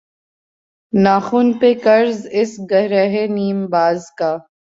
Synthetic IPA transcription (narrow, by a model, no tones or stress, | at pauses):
naːxuːnpekɐɾzɪsɡɐɦɾəɦeniːmbaːzkaː